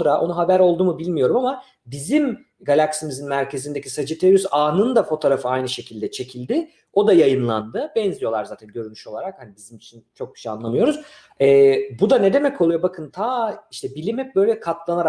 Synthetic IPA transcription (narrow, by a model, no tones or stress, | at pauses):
nɾaʔonuɦabæɾo̞lˠd̪uːmubilʲmijo̞ɾumama | bizim | ɡalʲaksimizinmæɾcʰe̞zind̪e̞cʰisad͡ʒit̪ʰeɾysaːnɯnd̪afo̞t̪ʰoɾafɯajnɯʃe̞cʰilʲd̪ɛt͡ʃʰe̞cʰilʲd̪ɪ | o̞d̪ajajɯnlˠa̰nd̪ɯbɛnzijo̞lˠaɾzaːt̪ʰænɟø̞ɾynyʃo̞lˠaɾakhanibizimit͡ʃʰint͡ʃʰo̞k̚bʰy̥ʃɛa̰nlˠamɯjo̞ɾuz̥ | ɛːbud̪aned̪e̞mɛcʰo̞lˠujobakʰɯnt̪ʰaːiʃt̪ʰɛbilʲimɛp̚bø̞jlʲɛkʰat̪lˠanaɾa